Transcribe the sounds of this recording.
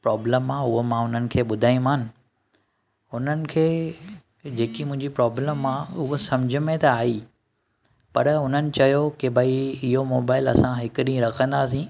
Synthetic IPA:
pɾɔːbləmãʊɦomãʊn̤ənɪ̆kʰeːɓʊd̪ʱaːĩmaːnɪ̆ | ʊn̤ənɪ̆kʰeː | d͡ʑeːkimʊ̃ɦɪ̃ɲd͡ʑipɾɔːbləmãʊɦosɐmd͡ʑʱʊ̆mẽt̪ɐaːi | pɐɾʊn̤ənɪ̆t͡ɕɐjokebʱəiɪɦomoːbaːɪlɐ̰sãɦɪkʊɗĩɾɐkʰə̃nd̪aːs̬ĩː

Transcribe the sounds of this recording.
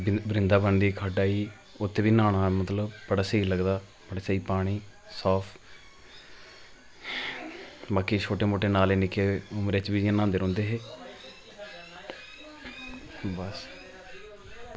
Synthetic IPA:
bɾɪnd̪aːbəɳɖ̪iːkʰəɖaːiː | ʊt̪ʰːeːʋiːnaːɳ̃aːmət̪ləbbəɽaːsəiləɡd̪aː | bəɽaːsəiːpaːɽ̃iː | saːpʰ | baːkit͡ʃʰoːʈeːmoːʈeːnaːleːnɪkeːʊmɾeːt͡ʃʋiːanãːnd̪eːɾɔ̃ːnd̪eːɦeː | bəs

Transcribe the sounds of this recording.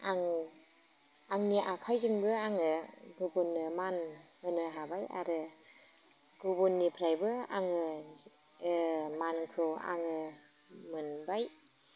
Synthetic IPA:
aŋ | aŋniʔakʰajziŋbɯaŋɯɡubunːɯmanɯnɯɦabaja̰ɾɯ | ɡ̥ubunːipʰɾajbɯa̰ŋɯ | mankʰɾowa̰ŋɯ | mɯnbaj

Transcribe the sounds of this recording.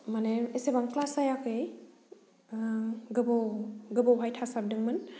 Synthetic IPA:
maneesebaŋklasajakʰɯj | ɡɯbowɡɯbowɦajtʰasap̚dɯŋmɯn

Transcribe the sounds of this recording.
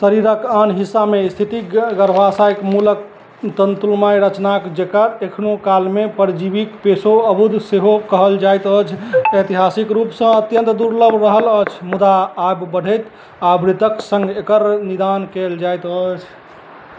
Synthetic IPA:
səɾiɾəkanɦisːamest̪ʰit̪iɡəɾbʱasajkmulək̚ | t̪ənt̪ulmaiɾət͡ʃnakd͡ʒekəɾekʰnokalmepəɾd͡ʒibikpesoəbud̪seɦokəɦəld͡ʒajt̪ət͡ʃʰet̪iɦasikɾupsə̃ət̪jə̃nt̪d̪uɾləbʱɾəɦələt͡ʃʰmud̪aːbbəɽ̤ʱəjt̪ | abɾit̪əksə̃ŋɡekəɾnid̪ankeld͡ʒajt̪ət͡ʃʰ

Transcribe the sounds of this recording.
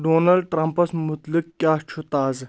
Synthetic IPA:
ɖoːnɐlɖ̚ʈɾampɐsmʊt̪lɨkkʲaːt͡ʃʰut̪aːz

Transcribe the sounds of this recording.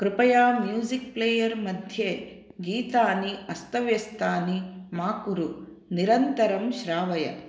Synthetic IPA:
kɾɪpɐjaːmjuːzik̚pleːjɐɾmɐd̪ʱjeː | ɡiːt̪aːniɐst̪ʰɐʋjɐst̪aːnimaːkuɾu | niɾɐnt̪ɐɾɐmʃɾaːʋɐjɐ̰

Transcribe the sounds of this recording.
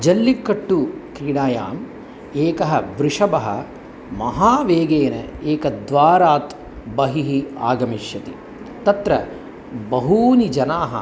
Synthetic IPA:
d͡ʒɐlːikːɐʈːukɾiːɽaːja̰ːm | eːkɐɦɐʋɾɪʂɐbɐɦɐ̰ | mɐɦaːʋeːɡeːnɐ̰eːkɐd̪ʋaːɾaːt̪ | bɐɦiɦia̰ːɡɐmiʃjɐt̪i | t̪ɐt̪ɾɐ | bɐɦuːnid͡ʒɐnaːɦɐ̰

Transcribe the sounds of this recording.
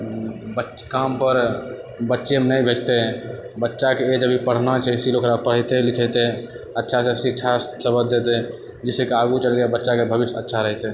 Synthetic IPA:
bə | kampəɾ | bətːʃemnəjbʱet͡ʃt̪e | bətːʃakeːd͡ʒəbipəɽ̤nat͡ʃʰɛsilokɾapəɽ̤ɛt̪elikʰɛt̪e | ətːʃʰasẽsik̚t͡ʃʰasəbəd̪ʱet̪e | d͡ʒisekeaɡut͡ʃəlɡebətːʃakebʱəbisə̰tːʃʰaɾəɦt̪e

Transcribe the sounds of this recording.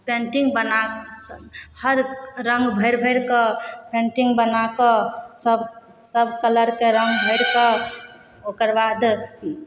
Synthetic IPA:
pẽɳʈiŋɡbənashəɾɾə̃ŋɡbʱəɪɾbʱəjɾkɔpẽɳʈiŋɡbənakɔsəb | səbʱkələɾkeɾəŋɡbʱəɪɾkɔ | okəɾbad̪

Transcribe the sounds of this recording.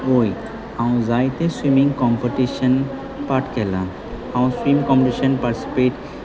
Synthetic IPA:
oj | ãũzajt̪eswimĩŋɡkɔmpeʈiʃən | paʈkelã | ãũswimkɔ̃mpʈiʃənpaɾʈi̥si̥peʈ

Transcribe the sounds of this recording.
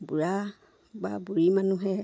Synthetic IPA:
buɹa | ba̰buɹimanuɦɛ

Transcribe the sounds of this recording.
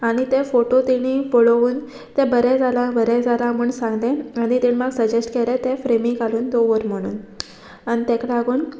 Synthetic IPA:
aɽ̃it̪efoʈot̪iɽ̃ifoɭoʋuːn | t̪ẽbəɾɛd͡zalabəɾɛd͡zalamuɳsãŋɡt̪ɛ̃aɽ̃it̪inmaɡsəd͡ʑesʈkelet̪ẽfɾemikaluːnt̪oʋəɾm̤əɽ̃ṵːn | añit̪ẽkɽaɡuːn

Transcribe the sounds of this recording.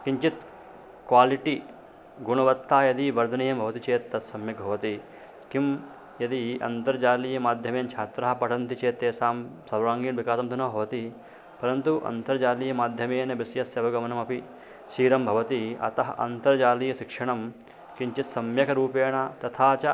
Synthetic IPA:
kiɲt͡ʃit̪ | kʋaːliʈi | ɡuɳɐʋɐt̪ːaːjɐd̪iʋɐɾd̪ʱɐnijɐmbʱɐʋɐt̪it͡ʃeːt̪ːɐt̪sɐmjɐk̚bʱɐʋɐt̪i | kim | jɐd̪iʔɐ̰nt̪ɐɾd͡ʒaːlijɐmaːd̪ʱjɐmeːnt͡ʃʰaːt̪ɾɐɦɐpɐʈʰɐnt̪it͡ʃeːt̪eːsaːmsɐɾɾaːŋɡiːnʋikaːsɐmt̪unɐːbʱɐʋɐt̪i | pɐɾɐnt̪uʔɐ̰nt̪ɐɾd͡ʒaːlijɐmaːd̪ʱjɐmeːnɐbisjɐsɐːʋɐɡɐmɐnɐmɐpi | ʃiːɾɐmbʱɐʋɐt̪iɐ̰t̪ɐɦɐʔɐ̰nt̪ɐɾd͡ʒaːlijɐʃikʂɐɳɐm | kiɲt͡ʃit̪sɐmjɐkʰɐɾuːpeːɳat̪ɐt̪ʰaːt͡ʃɐ

